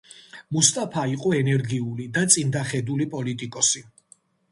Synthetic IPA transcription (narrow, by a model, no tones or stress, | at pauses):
must̪ʼapʰaiqʼɔɛnɛɾɡiulid̪at̪sʼind̪aχɛd̪ulipʼɔlit̪ʼikʼɔsi